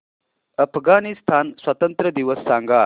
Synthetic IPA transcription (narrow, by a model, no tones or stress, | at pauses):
ɐpʰɡaːnist̪ʰaːnswɐt̪ɐnt̪ɾəd̪iʋəsːaːŋɡaː